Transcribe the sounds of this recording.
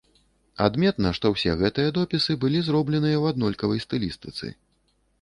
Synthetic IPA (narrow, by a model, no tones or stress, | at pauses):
a̰d̪mʲɛt̪nɐʂt̪ɔwsʲɛɣɛt̪ɨjɐd̪ɔpʲisɨbɨlʲizɾɔblʲɛnɨjɐwad̪nɔlʲkɐvɐjst̪ɨlʲist̪ɨt̪sɨ̰